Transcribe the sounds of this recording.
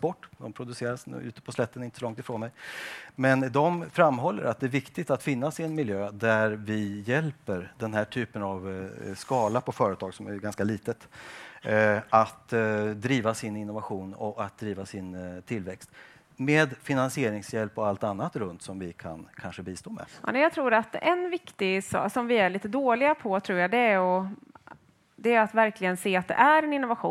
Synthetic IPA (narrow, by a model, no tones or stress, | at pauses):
spɔʈːd̪ɔmpʰɾʊd̪ɵseːɾasn̰ːʉ̟ːt̪ə̥pʰɔslɛt̪ːənɪnt̪ə̥sɔlɔŋt̪ɪfɾoːnmɛjmɛnd̪ɔmfɾamːɦɔlːə̰ɾat̪̚d̪ɛæɾvɪkt̪ɪɡ̚t̪at̪fɪnːasɪɛnmɪljøːd̪æɾvɪjɛlpəɾd̪ɛnɦæːʈʰyːpənavskɑːlapʰɔfœːɾət̪ʰɑːɡsɔmæ̰jɡanskaliːt̪ət̪ | at̪d̪ɾiːvasɪnɪnːʊvaɧuːnɔat̪̚d̪ɾiːvasɪnt̪ʰɪlvɛkst̪ | meːd̪fɪnansɪeːɾɪŋsjɛlpːɔalt̪anːat̪ɾɵnt̪sɔmvɪkʰa̰nkʰanʂəbiːst̪oːmɛ̰mɛjɑɡt̪ʰɾuːɾat̪ɛnvɪkt̪ɪsɔ̰ːsɔmvɪæɭiːt̪əd̪oːlɪɡapʰɔt̪ʰɾuːɾjad̪ɛɔ | d̪ɛat̪væɾklɪɡənseːat̪̚d̪ɛ̰ʔæɾɛnɪnːʊvaɧṵː